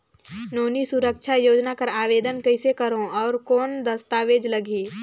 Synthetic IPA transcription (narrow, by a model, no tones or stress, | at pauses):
noːnisʊɾəkʃʰajoːd͡ʒnakəɾaːʋeːd̪ənkəɪsekəɾõɔːɾkoːnd̪əst̪aːʋeːd͡ʒləɡʱiː